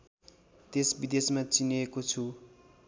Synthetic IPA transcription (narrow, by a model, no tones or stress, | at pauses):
t̪esbid̪esmat͡siniekot͡sʰu